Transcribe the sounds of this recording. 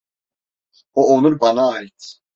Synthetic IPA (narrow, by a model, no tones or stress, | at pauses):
ɔɔnuɾbanaːjt̪ʰ